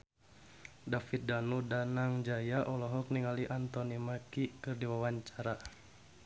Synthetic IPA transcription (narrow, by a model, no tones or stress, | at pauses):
dafit̪̚danudanaŋd͡ʒajaʔɔlɔɦɔk̚niŋaliʔant̪ɔnimakikɨrdiwawaɲt͡ʃaɾa